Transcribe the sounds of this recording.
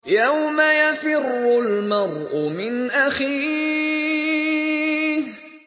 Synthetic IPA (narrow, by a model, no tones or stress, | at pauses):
jawmajafɪrːʊlmɑɾˤʔʊmɪnʔaxiː | h